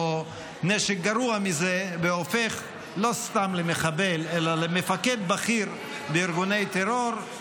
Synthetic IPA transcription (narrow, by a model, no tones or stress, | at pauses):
o | neʃek̚ɡaɾuamizebeofeχ | lo̞st̪amlemeχabelelalemefaked̪̚baχiɾ | beiɾɡunejt̪eɾoɾ